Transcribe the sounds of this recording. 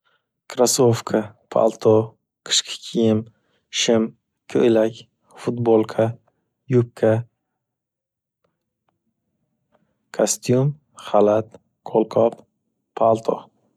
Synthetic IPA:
kʰɾasofkʰapʰa̰lˠt̪ʰo | qʰɨ̥ʃkʰʲḁkʲʰijɪm | ʃɪm | kʰːɵlakʲ | fʊt̪bolˠkʰa | jʊp̚kʰa | kʰast̪jum | χalat̪ | kʰolˠqʰɒp | pʰːalˠt̪ʰo

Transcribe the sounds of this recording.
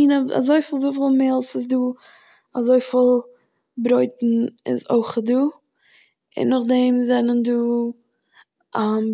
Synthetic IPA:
inaa̰zoɪfɪlˠvufɪlˠmeːlˠsɪsduː | azoɪfɪlˠ | bɾoɪtn̩ɪ̰zo̰ɪχduː | ɪ̰nːʊχdɛmzɛnənduː | a

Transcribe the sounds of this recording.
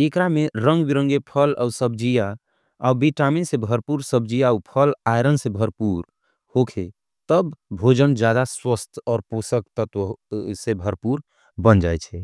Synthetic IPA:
ekɾameɾə̃ŋɡbiɾəŋɡepʰəla̰usəb̚d͡ʒija | aubiʈaminsẽbʱəɾpuɾsəbd͡ʒijaupʰəlajɾənsẽbʱəɾpuɾ | hokʰe | t̪əbbʱod͡ʒənd͡ʒjad̪aswəst̪ʰɔːɾposəkt̪ət̪sẽbʱəɾpuɾ | bənd͡ʒajt͡ʃʰɛ

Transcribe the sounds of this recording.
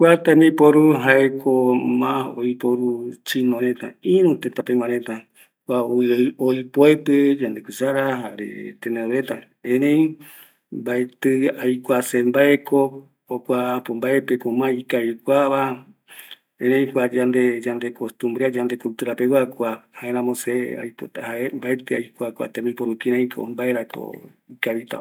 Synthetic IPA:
kʷat̪ãmĩpoɾuɦaekʰomãojpoɾut͡ʃinõɾet̪ãĩɾũt̪et̪apeŋãɾet̪ã | kʷaojpoeped͡ʒand̪ekʷisaɾaɦaɾḛt̪eneoɾet̪a | ẽɾẽj | mbaet̪ɨajkʷasembaeko | okʷaːpombaepekomãikaβikʷaβa | ẽnẽĩkʷad͡ʒand̪ed͡ʒand̪ekost̪ũmbɾead͡ʒand̪ekult̪uɾapewakʷahaeɾãmosea̰jpot̪ahaembaet̪ɨajkʷakʷa̰t̪ẽmĩpoɾukiɾãj̃kʰo̰mbaeɾako̰ | ikaβit̪a̰

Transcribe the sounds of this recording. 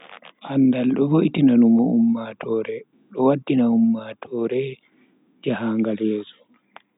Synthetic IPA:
ʔanːdalɗɔboʔitinanumɔumːatɔːɾɛ | ɗɔwadːinaumːatʰɔːɾɛ | d͡ʒahaŋɡalɛːzɔ

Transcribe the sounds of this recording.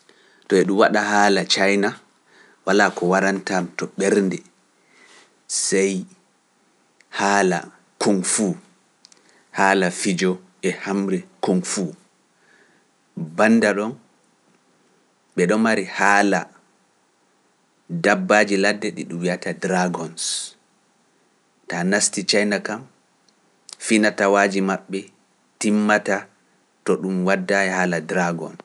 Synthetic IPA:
tɔɛɗumwaɗahaːlat͡ʃajna | walakɔwaɾantamtɔɓɛɾndɛ | sɛj | haːla̰ | kʰoŋfuː | haːlafid͡ʒɔ | ɛhamɾɛkoŋfu | banːdaɗɔn | ɓɛɗɔmaɾihaːla | dabːaːd͡ʒiladːɛɗiɗuwijatadɾaɡɔns | tanastit͡ʃajnakam | finatawaːd͡ʒimaɓːɛ | timːata | tɔɗumwadːajɛhaːladɾaɡɔ̰n

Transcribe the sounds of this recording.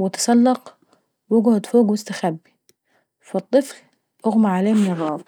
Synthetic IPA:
wɪt̪ɑ̥sˤɑlːɑq | wɪɡht̪foːɡwɪst̪axabːi̥ | fɑt̪ˤːɨfl | ʔʊɣmaʕaleːmɪnɨrˤːɑːb

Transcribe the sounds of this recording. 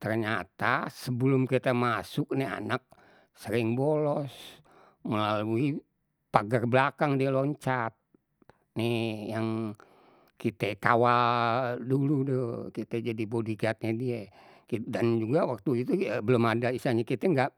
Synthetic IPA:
t̪ərɲat̪asəbəlʊmkit̪ɛmasʊk̚nia̰nak̚ | səɾɪŋbolɔs | məlalui | paɡərbəlakaŋdiɛlɔɲt͡ʃat̪̚ | nijaŋ | kit̪ɛkawa | duludokit̪ɛd͡ʒadibodiɡat̪̚ɲadiɛ | kidand͡ʒuɡawak̚t̪uit̪ubəlʊmadaisaɲakit̪ɛŋɡaʔ

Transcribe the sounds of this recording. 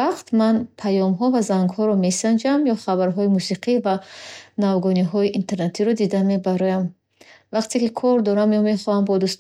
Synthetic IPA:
aqt̪manpʰajɔmɦɔvazaŋɡhɔɾɔme̞sand͡ʒamjɔχabaɾɦɔimusiqʰivanavɡɔniɦɔiʔint̪ʰe̞ɾnet̪ʰiɾɔd̪id̪ame̞baɾɔjam | vaqt̪ʰekikʰɔɾd̪ɔɾamjɔme̞χɔhambɔd̪ust̪

